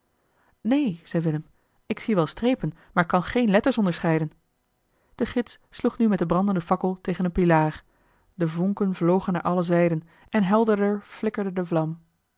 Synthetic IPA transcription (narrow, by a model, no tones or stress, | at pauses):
nejz̥ɛjʋɪləm | ɪksiʋɛlˠstrejpən | maːɹkɑnχejnlɛtəɹsɔndəɹsχɛjdən | d̥əχɪtssluχnymɛtdəbrɑndəndəfɑkəlˠtejχənənpilaːr | dəvɔŋkənvlowχənaːɹʔɑləzɛjdən | ʔɛnɦɛlˠdədəɹv̥lɪkəɹdədəvlɑm